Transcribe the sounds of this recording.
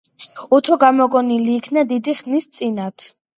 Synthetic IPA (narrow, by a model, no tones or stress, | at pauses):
ut̪ʰɔɡamɔɡʼɔniliːkʰnad̪id̪iχnist̪sʼinat̪ʰ